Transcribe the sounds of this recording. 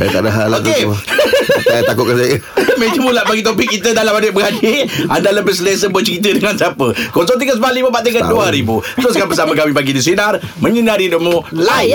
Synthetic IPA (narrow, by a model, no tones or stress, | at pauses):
sa̰jat̪a̰daɦaloke | tat̪akʊʔ̚kansajəmed͡ʒəmulaʔbaɡit̪̬op̬ɪk̚ːit̪ədalamadəʔ̚bəɡadiandaləbəs̬əles̬əbət͡ʃəɾit̪̬ədəŋansiapəkɔsɔŋt̪̬iɡəsəbalibəpaʔt̪ikanduaɾibut̪ɾoskampəsaməkamibaɡidis̬inarməɲənaɾidomolai